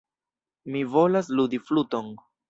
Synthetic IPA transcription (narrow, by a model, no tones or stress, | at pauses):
mivo̞laslud̪ifluto̞n